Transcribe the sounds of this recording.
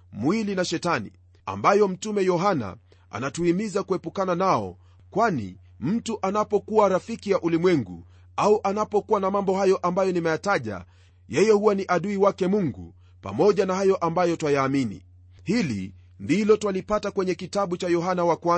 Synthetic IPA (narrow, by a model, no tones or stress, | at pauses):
mwilinaʃɛtanḭ | a̰mbajɔm̩tumɛjɔɦana̰ | ʔa̰natuhimizakuɛpukananaɔ̰ | kwanḭ | m̩tuʔanapɔkuwaɾafikijaʔulimwɛŋɡṵ | auʔanapɔkuwanamambɔhajɔʔambajɔnimɛjataʄa̰ | jɛjɛhuwaniʔaɗuiwakɛmuŋɡṵ | pa̰mɔʄanahajɔʔambajɔtwajaːminḭ | hilḭ | ndilɔtwalipatakwɛɲɛkitaɓut͡ʃajɔɦanawakwa